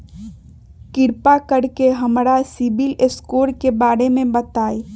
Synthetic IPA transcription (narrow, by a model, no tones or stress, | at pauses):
kɪɾpakəɽkeɦəmɾasibileskoːɾkebaːɾemẽbət̪aːi